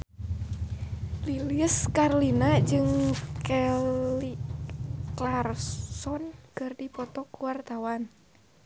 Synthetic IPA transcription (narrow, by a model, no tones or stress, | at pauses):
liliəskarlinad͡ʒɨŋkɛi | klarsɔnkɨrdipɔt̪ɔkuwart̪awan